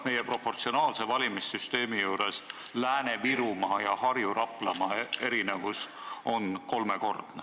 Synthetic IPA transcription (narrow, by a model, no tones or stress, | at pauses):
me̞jepro̞pːo̞rt̪sio̞nɑːlsevɑlʲimisːyst̪e̞ːmijuːɾe̞s | læːne̞viɾumɑjɑhɑrjuɾʔɑpˑlɑmɑe̞ɾine̞vus | o̞nko̞lme̞ko̞rd̪̥ne